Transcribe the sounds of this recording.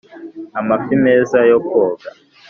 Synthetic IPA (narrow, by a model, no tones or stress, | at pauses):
amafimɛzajɔkʰɔːk̬a